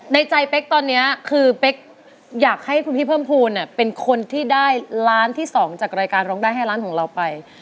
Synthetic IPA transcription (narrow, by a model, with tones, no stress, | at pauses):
na˧jt͡ɕa˧jpe˦˥k̚t̪ɔː˧nːi˦˥ɐkʰɯː˧pe˦˥k̚ | jaː˨˩k̚ha˥˩jkʰu˧npʰiː˥˩pʰɤː˥˩mpʰuː˧nːa˧˩pe˧nkʰo˧nt̪ʰiː˥˩daː˥˩jlaː˦˥nt̪ʰiː˥˩sɔː˩˦ŋt͡ɕaː˨˩k̚ɾaː˧jkaː˧nɾɔː˦˥ŋdaː˥˩jɦa˥˩jlaː˦˥nkʰɔː˩˦ŋɾa˧wpa˧j